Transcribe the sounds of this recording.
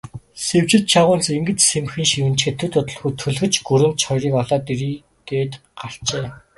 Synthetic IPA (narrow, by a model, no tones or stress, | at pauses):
sew̥t͡ɕɪ̆t̪̚t͡ɕʰaʁʊːnt͡seŋɡɘ̆t͡ɕsemxiːŋʃiwɘ̆nt͡ɕxet̪ʰɘ̆t̪ʰʊt̪ə̆ɮxujt̪ʰɵɮxɘ̆t͡ɕɡɵɾɘ̆nt̪̚t͡ɕχɔjɾiːkɔɮɔːt̪eɾiː | ɡ̥eːt̪ | ɢaɬt͡ɕeː